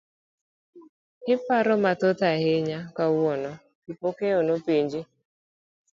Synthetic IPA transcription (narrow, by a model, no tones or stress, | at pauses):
hɪpaɾɔmat̪ɔt̪aheɲakawɔnɔ | kɪpokeonopeɲd͡ʒi